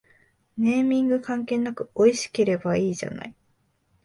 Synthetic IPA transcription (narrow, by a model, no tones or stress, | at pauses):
ne̞ːmʲĩŋɡɯ̟kãŋke̞ːnːakɯ̟o̞iɕi̥ke̞ɾe̞baiːʑa̰na̰i